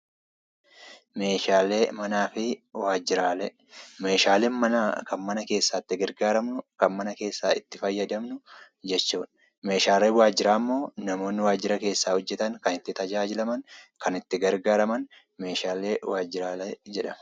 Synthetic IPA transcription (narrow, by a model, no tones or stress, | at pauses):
me̞ːʃaːle̞ːmɐnaːfɪwaːd͡ʒːɪɾaːlɛ | me̞ːʃaːleːnmɐnakɐnmɐnɐke̞ːsːaːt̪ːɪɡɐɾɡaːɾɐmnʊkɐnmɐnɐke̞ːsːaːɪt̪ːɪfɐjːɐd̪ɐmnʊ | d͡ʒɛt͡ʃːuːᶑ | me̞ːʃaːleːwaːd͡ʒːɪɾaːmːo̞ːnɐmo̞ːnːɪwaːd͡ʒːɪɾɐke̞ːsːaːhɔd͡ʒːɛt̪ɐŋkɐnɪt̪ːɪt̪ɐd͡ʒaːd͡ʒɪlɐmɐŋkɐnɪt̪ːɪɡɐɾɡaːɾɐmɐn | me̞ːʃaːle̞ːwaːd͡ʒːɪɾaːlɛd͡ʒɛᶑɐm